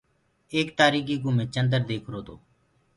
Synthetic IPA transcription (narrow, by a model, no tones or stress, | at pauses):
eːk̚t̪aːɾiːɡiːɡʊmẽːt͡ʃənd̪əɾd̪eːkʰɾoːt̪oː